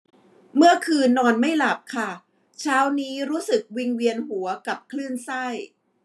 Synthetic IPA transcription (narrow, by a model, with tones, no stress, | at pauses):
mɯ˥˩ɐkʰɯː˧nːɔː˧nma˥˩jla˨˩p̚kʰa˥˩ | t͡ɕʰaː˦˥wniː˦˥ɾuː˦˥sɯ˨˩k̚wi˧ŋwi˧ənɦu˩˦ɐka˨˩p̚kʰlɯ˥˩nsa˥˩j